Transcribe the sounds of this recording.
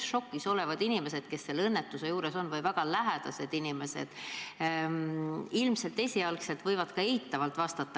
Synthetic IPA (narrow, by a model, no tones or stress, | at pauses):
ʃo̞kːˑiso̞le̞vɑd̪inime̞se̞d̪̥̚ke̞sːe̞lːɤnːet̪ːˑuse̞juːɾe̞so̞nːvɯjvæɡ̥ɑlæɦed̪̥ɑse̞d̪̥inime̞se̞̰d̪̥ | ilmse̞lt̪e̞sʲiɑlkse̞lt̪vɤjvɑd̪kɑe̞hit̪ːˑɑvɑlt̪ˑvɑst̪ɑt̪ːˑɑ